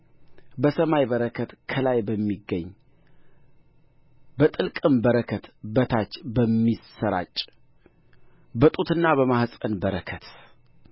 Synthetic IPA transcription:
bəsəmajβəɾəkʰət̪kʰəlajbəmːiɡəɲː | bət̪ʼɨlkʼɨmbəɾəkʰət̪bət̪ʰat͡ʃːbəmːisəɾa̰t͡ʃʼ | bət̪ʼut̪ʰɨnːaβəmahsʼənbəɾəkʰət̪

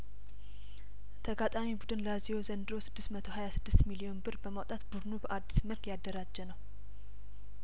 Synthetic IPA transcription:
t̪ʰəɡat̪ʼamibud̪ɨnləazihozənd̪ɨɾo̞sɨd̪ːɨst̪mət̪ʰo̞hajasɨd̪ːɨst̪milio̞nbɨɾbəmawt̪ʼat̪bud̪nubəʔad̪ːisməlkjad̪ːəɾad͡ʒːənəw

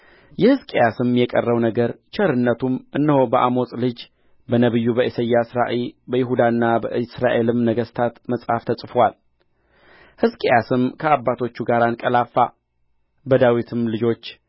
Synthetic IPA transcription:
jɛhɨskʼejasɨmjɛkʼə̰rːəwnəɡəɾt͡ʃʰəɾɨnːət̪ʰumʔɨnːɨho̞bəʔamo̞sʼlɨd͡ʒ | bənəβɨjːubəʔisəjːasɨɾaʔebəjɪɦud̪anːabə̰ɨsɾaʔe̞lɨmnəɡəst̪ʰat̪məsʼhaft̪ʰəsʼfwal | hɨskʼejasɨmkʰəabːat̪ʰo̞t͡ʃːuɡaɾankʼəlafːa | bəd̪awit̪ʰɨmlɨd͡ʒo̞t͡ʃː

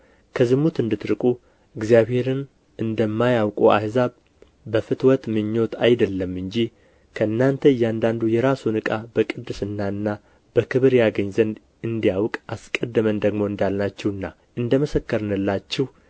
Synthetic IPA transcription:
kʰəzɨmut̪ɨnd̪ɨt̪ɾɨkʼu | ɨɡzijaβhe̞ɾɨn | ʔɨnd̪əmːajawkʼua̰hzaβ | bəfɨt̪ʰwɔt̪mɨɲːo̞t̪ʰajd̪əlːəmːɨɲd͡ʒi | kʰəɨnːant̪ʰəjand̪and̪ujɛɾasunɨkʼabəkʼɨd̪ːɨsɨnːaɨnːa | b̥əkʰɨβɨɾjaɡəɲzənd̪ | ɨnd̪ijawkʼaskʼəd̪ːɨmənd̪əɡmo̞ɨnd̪alnat͡ʃːɛwɨnːa | ɨnd̪əməsəkːəɾɨnɨlːat͡ʃːɛh

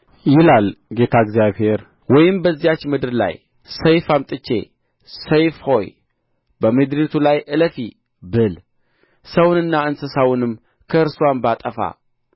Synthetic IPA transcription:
jɪlalɡe̞t̪ʰaɡzjaβhe̞ɾ | wɔjɪmbəzːijat͡ʃːmɨd̪ɨɾla̰j | səjfamt̪ʼɨt͡ʃːe̞̰ | səjfho̞j | bəmɨd̪ɾit̪ʰulajʔɨləfi | bɨl | səwnɨnːaɨnsɨsawʊnɨmː | kʰəɨɾsuanbat̪ʼəfa̰

